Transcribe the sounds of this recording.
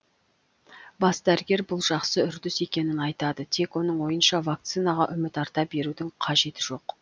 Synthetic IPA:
bɑsd̪æɾɪɡʲe̞ɾbʊlˠʒɑqsəʏɾd̪ʏse̞kʲe̞nɪnɑjt̪ɑd̪ət̪ʰe̞kwo̞n̪əɴwo̞jənʃɑvak̚t̪sɨjnɑʁɑʔʏmɪt̪ɑɾt̪ɑp̚be̞ɾud̪ɪŋqʰɑʒe̞t̪ɪʒo̞q

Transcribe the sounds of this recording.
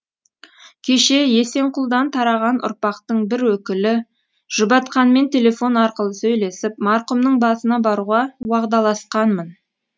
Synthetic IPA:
kʲʰe̞ʃe̞je̞se̞ɴqʊlˠd̪ɑnt̪ʰɑɾɑʁɑnʔʊ̰ɾpɑqt̪əɴbɪɾwɵkʲɪlɪ | ʒ̥ʊbɑt̪qɑnme̞nt̪ʰʲe̞lʲe̞fo̞nɑɾqəlˠəsɵjle̞sɪpmɑɾqumnəɴbɑsənɑbɑɾuʁɑwɑʁd̪ɑlˠɑsqɑnmən

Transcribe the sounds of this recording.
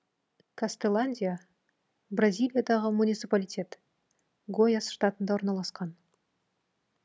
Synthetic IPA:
kʰast̪elˠanʲdʲija | brazʲijlʲˠijad̪ɑʁəmunʲijt̪sɨpalʲijtʲe̞t̪ | ɡo̞jasʃt̪at̪ənd̪ɑwo̞ɾnɑlˠɑsqɑn

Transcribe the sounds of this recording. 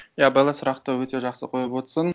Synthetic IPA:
jabɑjlˠɑsʊɾɑqt̪əwɵt̪e̞ʒɑqsə̰qʰo̞jəpwo̞t̪sən

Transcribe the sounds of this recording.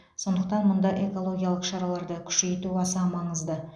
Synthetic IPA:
so̞nd̪əq̚t̪ɑnmʊnd̪ɑʔe̞ko̞lˠo̞ɡʲijalˠəqʃɑɾɑlˠɑɾd̪əkʲʰʏ̥ʃe̞jt̪uɑsɑmɑɴəzd̪ə

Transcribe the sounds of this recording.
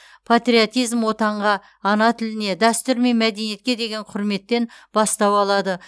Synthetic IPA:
pʰat̪riot̪ijzmwo̞t̪ɑɴʁɑː | nɑt̪ʰɪlɪne̞d̪æst̪ʏɾme̞nmæd̪e̞nije̞t̪kʲe̞d̪e̞ɡʲe̞ɴqʰʊɾme̞t̪ːe̞nbɑst̪ɑwɑlˠɑd̪ə

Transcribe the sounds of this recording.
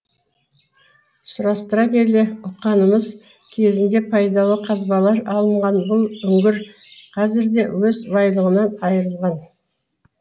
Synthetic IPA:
sʊɾɑst̪əɾɑkʲe̞le̞ʊqːɑnəməz | kʲʰe̞zɪnd̪e̞pʰɑjd̪ɑlˠəqʰɑzbɑlˠɑɾɑlˠəɴʁɑnbʊlˠʏŋɡʲɪɾqʰɑzɪɾd̪e̞wɵzbɑjlˠəʁənɑnɑjəɾəlˠʁɑn

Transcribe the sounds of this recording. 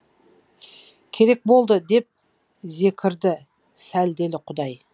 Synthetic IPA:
kʲʰe̞ɾe̞k̚bo̞lˠd̪əd̪e̞p̚ | ze̞kʲʰɪɾd̪ɪ | sæld̪e̞lɪqʰʊd̪ɑj

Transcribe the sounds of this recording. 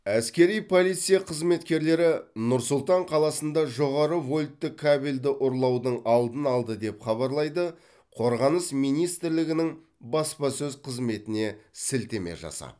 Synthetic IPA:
æskʲe̞ɾijpʰo̞lijt̪sijaqʰəzme̞t̪kʲe̞ɾle̞ɾɪnʊɾsʊlˠt̪ɑɴqʰɑlˠɑsənd̪ɑʒo̞ʁɑɾəvo̞lʲt̪ːɪkʰːabelʲd̪ɪʔʊɾlˠɑwd̪əɴɑlˠd̪ənɑlˠd̪əd̪e̞pχɑβɑɾlˠɑjd̪ə | qʰo̞ɾʁɑnəsmijnijst̪ɪɾlɪɡʲɪnɪŋ | bɑspɑsɵzqʰəzme̞t̪ɪne̞sɪlt̪eme̞̰ʒɑ̰sɑ̰

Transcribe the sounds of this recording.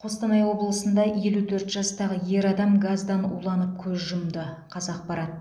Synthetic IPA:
qʰo̞st̪ɑnɑjwo̞bəlˠəsənd̪ɑje̞lut̪ʰɵɾt̪ʒɑst̪ɑʁəje̞ɾɑd̪ɑmɡazd̪ɑnṵlˠɑnəp̚kʲʰɵzʒʊmd̪ə | qʰɑzɑq̚pɑɾɑt̪ː

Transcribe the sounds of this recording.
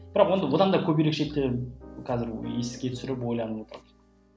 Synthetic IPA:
b̥ɪɾɑqwo̞nd̪əwo̞d̪ɑnd̪ɑkʲʰɵbiɾe̞kʃe̞k̚t̪ːeqʰɑzɪɾesɪ̥skʲet̪ʰʏsɪɾɪp̬wo̞jlˠɑnəwo̞t̪əɾɑd̪ə̥

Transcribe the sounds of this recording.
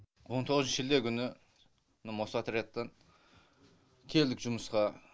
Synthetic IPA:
wont̪ʰoʁəzʒɪld̪e̞kʲʰʏnɪ | nɪmosɑt̪ʰɾjɑt̪ːɑn | kʲʰe̞ld̪ɪkʒʊməsqɑ

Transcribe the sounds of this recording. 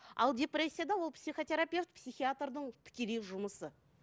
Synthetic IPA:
ɑ̰lˠdʲe̞prʲesʲːijad̪ɑwo̞lˠpsʲijχo̞t̪ʲe̞ɾapʲe̞ft̪̚psʲijxijat̪rd̪əɴt̪ʰɪ̥kʲe̞leʒʊməsə

